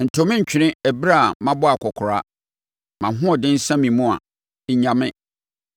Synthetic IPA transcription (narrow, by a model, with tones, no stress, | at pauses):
n̩˨tʰõ˨mɪ̃˦ɲ̩˨t͡ɕᶣɪ˨ɾɪ̃˦ɛ˨bɾa˦a˨mã˦bɔ˦a˨kʰɔ˨kʰʊ˨ɾa˦ | mã˨ɦʊ̃˦ɔ˨dɪ̃˦n̩˦sã˦mĩ˨mũ˦a̰˨ | ɪ˦ɲã˨mɪ̃˦